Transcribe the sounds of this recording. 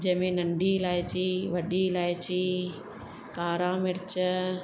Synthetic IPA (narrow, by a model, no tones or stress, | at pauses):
d͡ʑɐ̃ɦɪ̃mẽnɐɳɖilaːjt͡ɕiʋɐɗilaːjt͡ɕi | kaːɾãːmɪɾɪt͡ɕə